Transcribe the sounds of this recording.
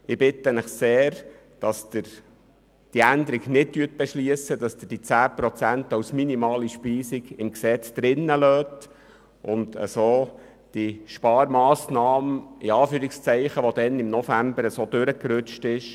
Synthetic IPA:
ɪbɪt̪ənəχseːɾ | d̥ɑsd̥̪ɪɾ | d̥iænd̪əɾiɡnɪt̚tyət̚b̥ɛʃliəsəd̥ɑsd̥̪əd̥it͡sæːpɾɔt͡sæntawsminimɑːliʃpiːsiɡɪmksɛt͡sd̪̥ɾɪnːəløːt | ʔʊndə̰soː | d̥iʃpɑːɾmɑːsnɑːmiɑːfyːɾɪkst͡sɛɪχəʋod̥̪ɛnɪmnɔfæmbəɾəsod̥̪ʉɾəkɾʉt͡ʃtɪʃ

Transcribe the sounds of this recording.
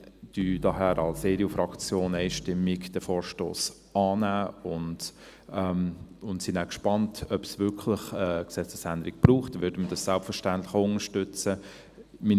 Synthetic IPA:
d̥yːd̥ɑɦæːɾɑlseːɾiofɾɑkt͡sjoːnɛɪʃtɪmːikd̥ɛfɔːɾʃto̰ːs | ɑːnæːʊndɛmʊntsinækʃpɑntʰœpsvʏɾkʰləχɛksɛt͡səsænd̪əɾikb̥ruːχtvʏdəməd̥ɑssælpfəɾʃtænt̪lɪχʊnəʃtʏt͡sə | mi

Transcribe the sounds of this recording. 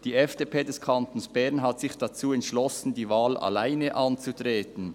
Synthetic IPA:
d̥iːɛfd̥eːpʰeːdɛskʰantonsb̥ɛɐnɦatsɪçd̥at͡suːɛntʃlɔsn̩diːvaːlʔa̰laɪnəʔɑnt͡sutʁeːtn̩

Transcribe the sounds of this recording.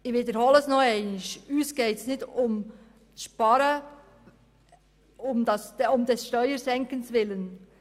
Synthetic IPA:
ɪviːd̪əɾhoːləsnoɛɪnɪʃyːsɡ̥eːtsnɪtʊm | ʃpɑɾə | ʊmdɑsʊmd̥̪ɛsʃtœʏəɾsɛŋkənsvʋɪlən

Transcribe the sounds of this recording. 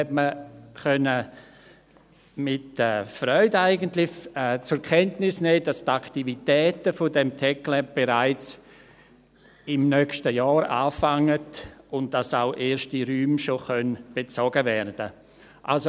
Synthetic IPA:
hɛtməχœnə | mɪtɛːfɾœʏdaɪɡəntlɪçɛːt͡sʊɾkʰɛntnɪsnɛːd̥astaktivitɛːtəfodɛmtʰɛklɛb̥eɾaɪt͡s | ɪmnœkʃtəjɔːɾa̰ːfaŋədʊnt̚d̥asaʊʔeːɾʃtiɾyːmʃoχœnb̥et͡sɔɡəvɛɾd̥ə | ʔalso

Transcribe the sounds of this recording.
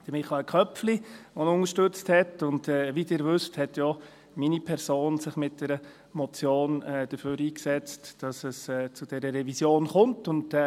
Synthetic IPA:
d̥əmɪχɑəkχœpfliʋɔnʊnəʃtʏt͡sthɛtʊndɛːʋidɪːɾʋʏsthɛtjɔ | minipʰɛɾsoːnsɪχmɪt̚d̥ɛɾə | mɔt͡sjoːnɛːd̥əføːɾiːksɛt͡std̥ɑsəsɛːt͡sud̥ɛɾəɾɛvisjoːnχʊntʊnd

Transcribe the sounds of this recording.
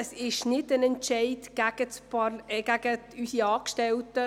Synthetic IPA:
əsɪʃnɪdənɛnt͡ʃɛɪdɡ̥æɡ̥ət͡spɑɡ̥æɡ̥əyːsiɑːkʃtɛltə

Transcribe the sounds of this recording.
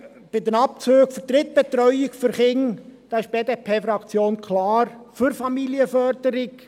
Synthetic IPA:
b̥ɪdənɑp̚t͡søːɡ̥fəɾtɾɪt̪̚b̥ɛt̪ɾœʏɪkfʏɾχɪŋd̥ɑːɪʃb̥eːdeːpʰeːfɾɑkt͡sjoːnkʰlɑːɾfyɾfɑmiliəfœɾdəɾɪk

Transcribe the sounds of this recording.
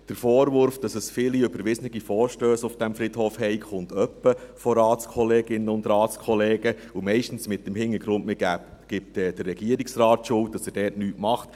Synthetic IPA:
d̥əɾfoːɾʋʊɾfd̥ɑsəsfɪliøbəɾʋɪsnɪɡ̥ifoːɾʃtøːsʊfd̥æmfɾidhoːfhɛɪχʊntœpːəfɔɾɑːtt͡skʰɔleːɡɪnːənʊndɾɑːskʰɔleːɡəumɛɪʃtən̩smɪt̚ːəmhɪŋːəɡɾʊntmeɡæːp | ɡ̥ɪp̚tɛd̥ərːɛɡ̥iəɾiksrɑːtʃʊlt̚d̥ɑsɛdɛːɾtnyːtmɑχt

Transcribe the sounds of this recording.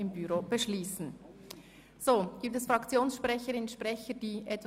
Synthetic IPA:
ɪmbyʁoːb̥əʃliːsn̩ | z̥oːɡ̥iːp̚tɛsfʁɑkt͡sjoːnsʃpʁɛçəɾɪnʃpʁɛçəd̥iːʔɛtʋ

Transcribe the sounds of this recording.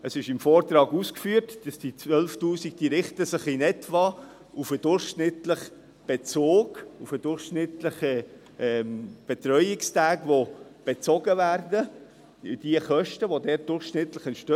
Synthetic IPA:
əsɪʃɪmfɔːɾt̪ɾɑːɡuːskfyːtd̥ɑsd̥it͡svœlftuːsɪkd̥iɾɪχtəsɪχinɛtʋɑ | ʔufəd̥ʊɾχʃnɪtləχ | b̥et͡soːɡ̥ufəd̥ʊɾχʃnɪtləχə | ɛmb̥ɛt̪ɾœʏɪkstæːɡʋob̥et͡sɔɡəvæːɾdə | d̥iəχœʃtəʋodɛːt̚d̥ʊɾχʃnɪtləχɛnʃtø

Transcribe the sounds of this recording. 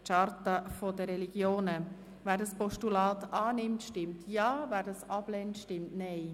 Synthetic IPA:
t͡ʃɑɾtəfodəɾɛliɡ̥joːnə | væːɾdɑspɔʃtulɑːt̪ɑːnɪmtʃtɪmtʰjɑːvæːɾdɑsɑb̥lɛntʃtɪmtnɛɪ

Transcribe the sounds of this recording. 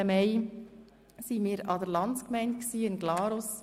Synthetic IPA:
əmɛɪ | simiːɾɑdəɾlɑnt͡skmɛɪnt̚ksiːɪnɡ̥lɑːɾos

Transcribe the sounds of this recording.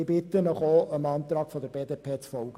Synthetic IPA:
ɪbɪt̪ənɔχoːəmɑːnt̪ɾɑːkfɔd̪əɾb̥eːdeːpʰeːt͡sfɔlɡ̥ə

